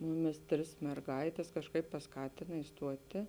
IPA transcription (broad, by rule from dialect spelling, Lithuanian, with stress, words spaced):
ˈmʊˌmʲɪs ˈtʲrʲɪs mʲɛrˈɡɐɪtʲɛs kɐʃˈkɐɪp pɐsˈkɑːtʲɪnɐ ɪsˈtuɔtʲɪ